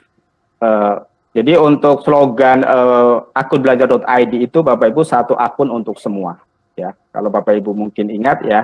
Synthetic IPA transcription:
əː | d͡ʒadiunt̪ʊk̚sloɡanəːakʊnbəlad͡ʒardɔt̪ajdiːt̪ubapaibusat̪uʔakʊnunt̪ʊksəmua̰ | jaka̰lawbapaibumuŋkɪniŋat̪̚ja

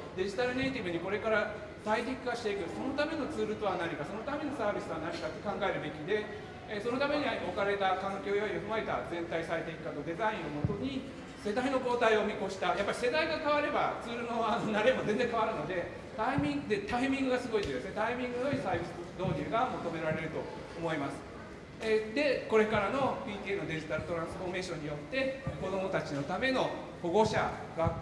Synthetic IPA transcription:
d̪e̞ʑi̥t̪aɾɯ̟neit̪ʲibɯ̟ɲ̟iko̞ɾe̞kaɾa | t̪aid̪ʲikkaɕi̥t̪e̞ikɯ̟so̞no̞t̪ame̞no̞t͡sɨːɾɯt̪o̞anaɲʲikaso̞no̞t̪ame̞no̞saːbʲisɨt̪oanaɲʲikat̪ːe̞kãŋɡae̞ɾɯ̟be̞kʲid̪e̞ | so̞no̞t̪ame̞ɲ̟iao̞kaɾe̞t̪akãŋkʲo̞ːjoioɸɯmaet̪a̰zẽ̞nt̪aisaet̪e̞ikɯkːat̪o̞d̪e̞zaĩɰ̃omo̞t̪o̞ɲ̟i | se̞d̪aino̞bo̞ːt̪aio̞mʲiko̞ɕi̥t̪ajapːaɾʲi̥se̞d̪aiɡakaβaɾe̞ba̰t͡sɨːɾɯ̟noanonaɾemozẽ̞nd͡zẽ̞ŋkaβaɾɯ̟no̞d̪e̞ | t̪aimʲĩŋɡd̪e̞t̪aimʲĩŋɡɯ̟ɡasɨɡo̞it̪snet̪aimʲĩŋɡɯoisaːbʲisɨd̪o̞ːɲ̟ɯːɡamo̞t̪o̞me̞ɾaɾe̞ɾɯ̟t̪o̞ | omo̞imasɨ̥ | d̪e̞ko̞ɾe̞kaɾano̞pʲiːt̪ʲiːeno̞d̪e̞ʑit̪aɾɯ̟t̪o̞ɾãɰ̃sɨ̥ɸome̞ːɕõ̞ɲ̟ːijo̞t̪ːe̞ko̞d̪o̞mo̞t̪at͡ɕino̞t̪ame̞no̞ | ho̞ɡo̞ɕa | ɡa

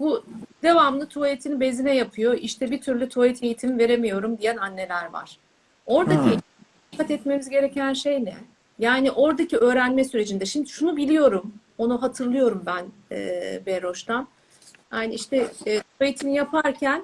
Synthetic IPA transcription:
bud̪̥e̞vamlˠɯt̪ʰualʲit̪ʰinibe̞zinɛjapʰɯjo̞ʔiʃt̪ʰɛbit̪ʰyɾlʲyt̪ʰuait̪ʰe̞jit̪ʰimive̞ɾe̞mijo̞ɾumd̪ijænanːe̞lʲæɾva̰ɾ̥ | o̞ɾd̪acʰi | ikʰːat̪ɛt̪me̞mizɟe̞ɾe̞cænʃe̞jnɛ | jaːniʔo̞ɾd̪acʰiø̞ːɾænmɛsyɾe̞d͡ʒind̪ɛʃimd̪iʃunubilʲijo̞ɾum | o̞nuɦat̪ʰɯɾlˠɯjo̞ɾumbæn | ɛ̰ːbeɾo̞ʃt̪ʰan | haniiʃt̪ɛːt̪ʰuait̪ʰinijapʰaɾcʰæn

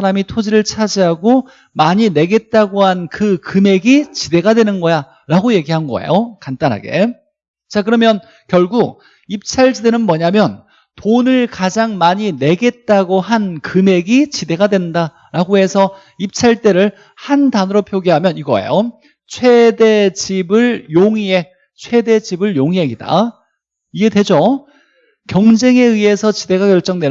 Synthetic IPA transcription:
aɾamitʰod͡ʑiɾɯɭt͡ɕʰad͡ʑiɦaɡo | maɲine̞ɡe̞t̚t͈aɡoɦankɯkɯme̞ɡit͡ɕide̞ɡadwe̞nɯnɡʌja | ɾaɡoje̞ɡiɦanɡʌ̰ḛjokant͈anɦa̰ɡe̞̰ | t͡ɕak̬ɯɾʌmjʌn | kjʌɭɡuk̚ | ip̚t͡ɕʰaɭd͡ʑide̞nɯnmʌɲamjʌn | tonɯɭkad͡ʑaŋmaɲine̞ɡe̞t̚t͈aɡoɦankɯme̞ɡit͡ɕide̞ɡadwe̞nnda | ɾaɡoɦe̞sʰʌ | ip̚t͡ɕʰaɭt͈e̞ɾɯɭ | handanɯɾopʰjoɡiɦamjʌniɡʌḛjo | t͡ɕʰwe̞de̞d͡ʑibɯɭjoŋie̞ | t͡ɕʰwe̞de̞d͡ʑibɯɭjoŋiɦeɡida̰ | iɡe̞dwe̞d͡ʑo | kjʌŋd͡ʑe̞ŋe̞ɯe̞sʰʌt͡ɕide̞ɡakjʌɭt͡ɕ͈ʌŋdwe̞

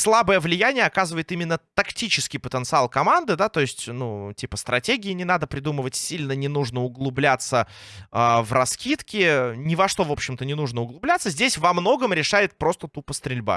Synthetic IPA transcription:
slˠabəjəvlʲɪjænʲɪjəɐkazəɨvəjɪt̪imʲɪnːət̪ɐktʲit͡ɕɪskʲɪjpət̪ənt̪sɨalˠkɐmand̪ɨd̪at̪o̞ɪsʲtʲnutʲipəst̪ɾɐtʲeɡʲɪɪnʲɪnad̪əpɾʲɪd̪uməvətʲsʲilʲnənʲɪnuʐnəʊɡlˠʊblʲat̪səavrɐskʲit̪kʲɪnʲɪvɐʂt̪o̞vo̞pɕːɪmt̪ənʲɪnuʐnəʊɡlˠʊblʲæt̪sːəzʲdʲesʲvɐmno̞ɡəmɾʲɪʂajɪt̪̚pɾo̞st̪ət̪upəst̪ɾʲɪlʲba̰

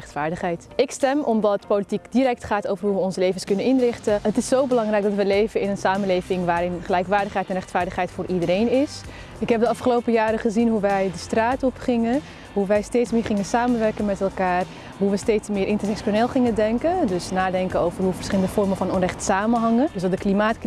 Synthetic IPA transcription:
ɛχtfaːɹdəχɦɛjtɪkstɛmʔɔmdɑtpolitikdiɾɛk̚tχaːtowvərɦuʋəɔnsəlejvənskɵnənɪnrɪχtəətɪsːowbəlɑŋrɛjk̚ɡdɑtʋəlejvənɪnənsaːmənlejvɪŋʋaːɾɪnχəlɛjkʋaːɹdəχɦɛjtɛnrɛχtfaːɹdəχɦɛjtfʊːɹʔidəɾejnɪs | ɪkɦɛp̚dəɑfχəlowpəjaːɾəχəzinɦuʋɛjdəstraːtɔpχɪŋə | ɦuʋɛjsteːtsmɪːɹχɪŋənsaːmənʋɛɹkənmɛtɛlˠkaːr | ɦuʋəstejtsmɪːɾʔɪntəɹsɛksoneːlˠχɪŋədɛŋkədɵsnaːdɛŋkənowvərɦuvəɹsχɪləndəfɔrməfɑnɔnrɛχtsaːmənɦɑŋədsɑtdəklimaːt

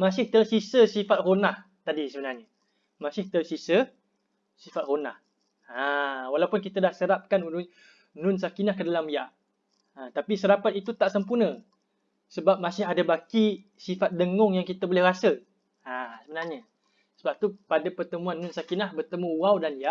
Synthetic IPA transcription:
mãs̬ɪht̪əsisəsifat̪̚ronah | t̪adisəbənarɲa | mãsɪht̪əsisə | sifat̪̚runa̰h | awalaupʊnk̬it̪ədahsəɾap̚kanu | nʊnsakinahkədalamijaʔ | at̪apisəɾapat̪̚it̪ut̪aʔsəmpurnə̃ | səbap̚masɪɦadabakisifat̪̚dəŋɔŋjaŋkit̪əbolɛhrasə | asəbənarɲa | səbap̚t̪upadapərt̪əmuanːʊnsakinahbərt̪əmuwawdanjaʔ

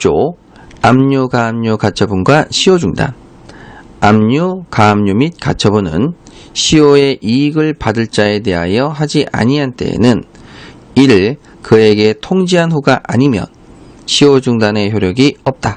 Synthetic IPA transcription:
t͡ɕ͈o | amɲuɡamɲukat͡ɕʰʌbunɡwaɕʰiʌd͡ʑuŋda̰n | amɲukamɲumit̚ka̰t͡ɕʰʌbunɯ̰n | ɕʰioe̞ʔiːɡɯɭpadɯɭt͡ɕ͈ae̞de̞ɦa̰jʌɦad͡ʑiʔa̰ɲiɦant͈e̞̰nɯn | iɾɯɭ | kɯe̞ɡe̞tʰoŋd͡ʑiɦanɸuɡaʔa̰ɲimjʌ̰n | ɕʰiod͡ʑuŋdane̞çjoɾjʌɡiʌp̚t͈a

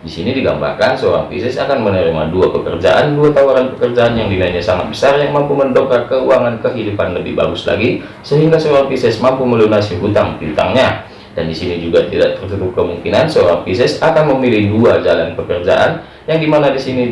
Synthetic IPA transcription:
disinidiɡa̰mba̰rkansəoɾa̰ŋpḭsɛsakanmənəɾima̰duapəkərd͡ʒa̰ʔanduat̪awaɾanpəkərd͡ʒaanjaŋdinaɲasaŋat̪̚bəsarjaŋmampuməndokakəuaŋankəɦidupanləbɪ̰hba̰ɡʊsla̰ɡi | səɦiŋɡasəoɾaŋpisɛsmampuməlunasiɦut̪aŋut̪a̰ŋɲa | dandisinid͡ʒuɡat̪ida̰ʔt̪ərt̪ut̪ʊp̚kəmuŋkinansəoɾaŋpisɛsakanməmilɪhduad͡ʒalanpəkərd͡ʒa̰ʔan | jaŋdimanadisini

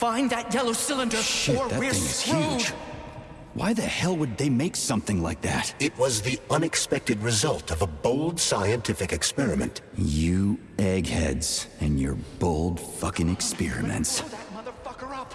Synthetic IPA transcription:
fãɪ̃nðɨt̚jɛlˠoʊsɪlˠə̃ndə˞ʃɪðɨtw̪ɪ̃ŋz̥hud͡ʒʒ | wa̰ɪðɨhɛlˠwəd̪̚ðeɪmeɪksʌ̃mθɪ̃ŋlaɪk̚ðæ̰t̚ɨt̚wʌzðiʌ̃nɨkspɛk̚tɨd̚ɹɨzʌlˠtʌvəboʊlˠd̥saɪɨ̃ntʰɪfɨkɨkspɛɹɨmɨ̰̃ntjɨ | ɛɡhɛ̰dz̥ɨ̃njə̰˞boʊlˠd̥fʌkɪ̃ŋɨkspɪɹɨ̰mɨ̰̃nts̚mʌðə˞fʌkə˞ʌp

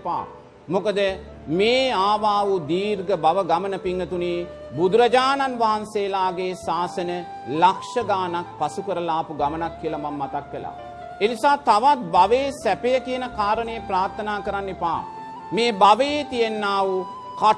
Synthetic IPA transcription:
pa̰ː | mokəd̪ə | meːaːʋaːʋud̪iːɾɡəbaʋəɡamənəpiŋɡət̪uniː | bud̪uɾɐd͡ʒaːnanʋaɦanseːlaːɡeːsaːsənə | lakʂɐɡaːnak̚pasukəɾəlaːpuɡamənakːiəlɐmamːat̪akʋela̰ | enisaːt̪aʋat̪̚baʋeːsæpejəkijənəkaːɾənəjepɾaːɾt̪ʰənaːkəɾanːipa̰ː | meːbaʋejet̪ijenːaːʋu | ka

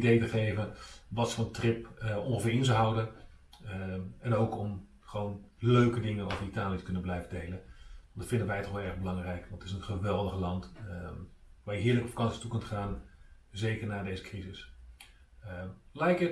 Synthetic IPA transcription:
idejtəχejvənʋɑtsontrɪpəɔ̰̃ŋχəfɪːɾɪnzəɦawdən | ɛnowkɔm | χəʋownløɥkədɪŋənɔfənitaːlˠijətə̥kɵnənblɛjvədejlənndɑtfɪndəʋɛjtɔχʋlˠɛɹχbəlɑŋrɛjkʋɑntɪsənχəʋɛlˠdəχlɑnt | ʋaːjəɦɪːləkɔpfakɑnsi̥tukɵntχaːn | zejkərnaːdejzəkrizɪs | lɛjkə

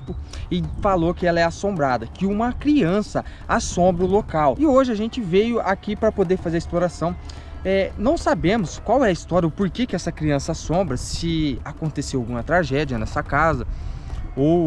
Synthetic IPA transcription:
pʊɪfalokɪɛlɐɛasõmbɾad̪ɐkɪũmɐkɾiɐ̃sɐasõmbɾɐʊlokawɪoʒɪaʒẽnt͡ʃɪvejʊʔakipɾɐpod̪eɾfazeɾisploɾasɐ̃w̃ | ɛnɐ̃w̃sabẽmʊskwawɛɐist̪ɔɾiɐʊpoɾkekɪɛsɐkɾiɐ̃sɐasõmbɾɐsɪakõnt̪esewawɡũmɐt̪ɾaʒɛd͡ʒiɐnɛsɐkazɐ | o

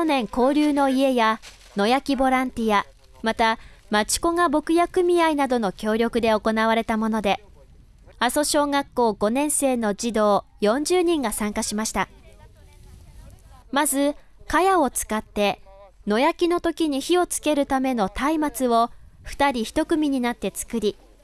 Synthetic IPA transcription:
onẽ̞ŋko̞ːɾʲɨːno̞ie̞ja | no̞jakʲibo̞ɾãnt̪ʲija | mat̪amat͡ɕi̥ko̞ŋabo̞kɯ̟jakɯ̟mʲiainad̪o̞no̞kʲo̞ːɾʲo̞kɯ̟d̪e̞o̞ko̞naβ̞aɾe̞t̪amo̞no̞d̪e̞ | aso̞ɕo̞ːŋakːo̞ːɡ̥o̞nẽ̞ɰ̃se̞ːno̞d͡ʑid̪o̞ː | jõ̞ɲ̟d͡ʑɨːɲ̟ĩŋɡasãŋkaɕimaɕi̥t̪a | mazɨ | kajao̞t͡sɨ̥kat̪ːe̞no̞jakʲino̞t̪o̞kʲiɲ̟içio̞t͡sɨ̥ke̞ɾɯ̟t̪ame̞no̞t̪aimat͡sɨβo̞ɸɯ̟̥t̪aɾʲiçi̥t̪o̞kɯ̟mʲiɲ̟inat̪ːe̞t͡sɨ̥kɯ̟ɾʲi

